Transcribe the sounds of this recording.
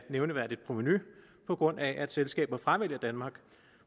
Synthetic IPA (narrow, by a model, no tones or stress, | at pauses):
neʊnəʋæɐ̰d̥id̥̚pʰʁo̝miny | pʰɒ̽ɡ̥ʁɔ̽n̰æʔæd̥selsɡ̥ɛ̰ːb̥ðɐfʁaʋe̝l̰ɐd̥ænmɑ̈ːɡ̥